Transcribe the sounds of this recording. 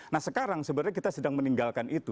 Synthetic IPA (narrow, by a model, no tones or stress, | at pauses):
nahsəkaɾaŋsəbəɾakit̪asədaŋməniŋɡalkanʔit̪u